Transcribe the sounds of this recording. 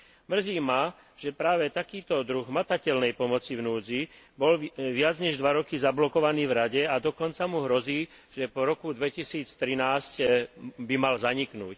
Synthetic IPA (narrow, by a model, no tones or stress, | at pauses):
mr̩ziːma | ʒ̥ɛpɾaːʋɛt̪akiːt̪ɔd̪ɾuɣmat̪acɛlnɛjpɔmɔt͡sivnuːd͡zi | bɔlʋɪad͡zɲɛʒd̪ʋaɾɔkizablɔkɔʋaniːvɾaɟɛad̪ɔkɔnt͡samuɦɾɔziː | ʒ̥ɛpɔɾɔkud̪ʋɛcisiːt͡st̪ɾinaːscbimalzaɲiknuːc